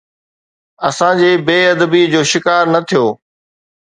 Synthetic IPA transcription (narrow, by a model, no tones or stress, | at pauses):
ɐsãd͡ʑeːbeːɐd̪əbid͡ʑoːʃɪkaːɾnɐt̪ʰijoː